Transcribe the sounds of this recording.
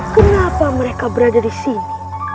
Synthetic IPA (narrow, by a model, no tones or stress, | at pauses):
kənapaməɾekabəɾadadisini